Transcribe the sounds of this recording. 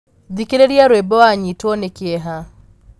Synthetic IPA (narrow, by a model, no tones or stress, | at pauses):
ðikiɾeɾiaɾwɛbɔaɲitwɔnekiɛɦa